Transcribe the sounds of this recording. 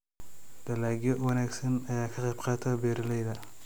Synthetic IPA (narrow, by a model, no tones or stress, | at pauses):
d̪̥ɐlaːɡjɔwɑnaːɡsɐnɐjaːkʰɐqɛjbqɑːt̪ʰɐbɛːɾɐlɛjðɐ